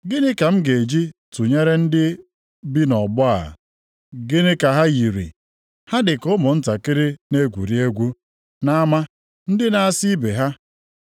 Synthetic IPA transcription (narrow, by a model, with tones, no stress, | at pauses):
ɡɪ˦nɪ˦ka˨m̩˦ɡe˨d͡ʒi˦tu˨ɲe˦ɾe˦n̩˦dɪ˦ | bi˦nɔ˨bʊ˦a̰˨ | ɡɪ˦nɪ˦ka˨ɦa˦ji˨ɾḭ˨ | ha˦dɪ˨kʊ˦mʊ˨n̩˦ta˨kɪ˦ɾɪ˦ne˦ɡʷṵ˨ɾi˦e˦ɡʷu˦ | na˦a˦ma˦ | n̩˦dɪ˦na˨a˦si˦be˨ɦa˦